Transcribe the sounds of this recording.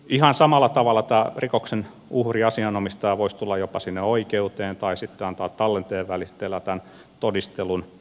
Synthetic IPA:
ihɑnsɑmɑlːˑɑt̪ɑʋɑlːˑɑt̪æːrikoksen | uhriɑsiɑnomist̪ɑːʋoist̪ulːɑjjopɑsinːeoikeut̪eːnt̪ɑisit̪ːeɑnt̪ɑːt̪tɑlːent̪eːʋʋælist̪elːæt̪æn | t̪odist̪elun

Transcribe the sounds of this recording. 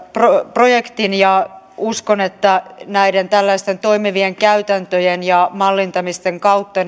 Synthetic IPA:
propro̞jekt̪injɑ | uskonet̪ːænæident̪ælːæist̪ent̪o̞imiʋieŋkæyt̪ænt̪øjenjɑmɑlːint̪ɑmist̪eŋkɑut̪ːɑn

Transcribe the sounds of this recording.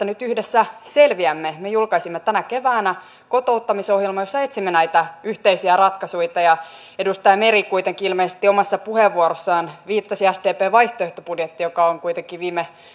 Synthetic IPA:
ænyt̪yhdesːæselʋiæmːemejulkɑisimːet̪ænæke̞ʋæːnæ | ko̞t̪o̞ut̪ːɑmiso̞hjelmɑjosːɑet̪simːenæit̪æyht̪eisiærɑt̪kɑsuit̪ɑjɑ | edust̪ɑjɑmeɾikujt̪eŋkiilmeisest̪iomɑsːɑpuheʋːuoɾosːɑːnʋiːt̪ːɑsiæsdeːpeːʋɑjht̪oeht̪opudjet̪ːijokɑoŋkuit̪eŋkːiʋiːme

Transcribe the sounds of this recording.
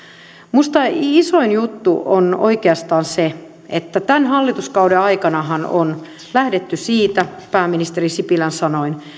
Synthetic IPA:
must̪ɑisoinjut̪ːuono̰ikeɑst̪ɑːnse | et̪ːæt̪ænhɑlːit̪uskɑudeɑikɑnɑɦɑno̰n | læhdet̪ːysiːt̪æpæːminist̪erisipilænsɑnoin

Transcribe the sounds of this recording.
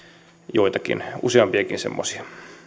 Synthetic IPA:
joit̪ɑkḭnuseɑmpiɑkinsḛmːosi̥ɑ

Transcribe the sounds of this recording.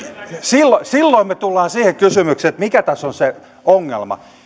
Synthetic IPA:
silːosilːoimmet̪ulːɑːnsiːhekkysymykset̪mikæt̪ɑsonse | oŋːḛlmɑ̰

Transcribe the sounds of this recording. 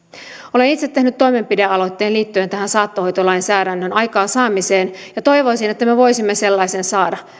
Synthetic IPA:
o̞le̞nit̪set̪ːe̞hnyt̪t̪ːo̞imempideɑlo̞t̪ːeːnliːt̪ːyent̪æɦænsɑːt̪ːoho̞jt̪olɑjnsæːɾænːønɑjkɑːnsɑːmiseːnjɑt̪o̞jʋoisine̞t̪ːæmeʋo̞jsimːese̞lːɑjsensɑːdɑ

